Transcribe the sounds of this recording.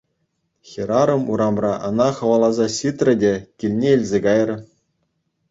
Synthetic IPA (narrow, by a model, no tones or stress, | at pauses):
xʲeɾɑɾɤ̆muɾɑmrɑʔɤ̆nɑχɤ̆ʋɑlˠɑzɑɕit̪rʲɘ̆dʲekʲilʲnʲeilʲzʲeɡɑjrɤ̆